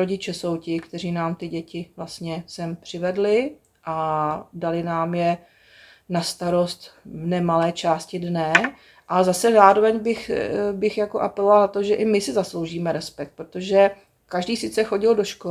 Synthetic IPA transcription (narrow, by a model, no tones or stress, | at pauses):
ɾoɟɪt͡ʃɛso̞wcɪkt̪ɛriːnaːmt̪ɪɟɛcɪvlast̪ɲɛsɛmpr̝̥ɪvɛdlɪ | ʔadalɪnaːmjɛ | nast̪aɾo̞st̪vnɛmalɛːt͡ʃaːscɪdnɛ | ʔazasɛzaːɾovɛɲbɪxbɪxjakoʔapɛlovalnat̪o̞ʒɛʔɪmɪsɪzaslo̞wʒiːmɛɾɛspɛk̚t̪̚pɾot̪oʒɛ | kaʒdiːsɪt͡sɛxo̞ɟɪldoʃko